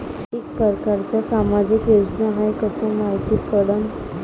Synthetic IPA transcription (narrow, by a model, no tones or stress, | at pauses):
ekpəɾkaɾt͡ɕasamad͡ʑiked͡ʑsaɦajkəsə̃maɦit̪iːpəɽən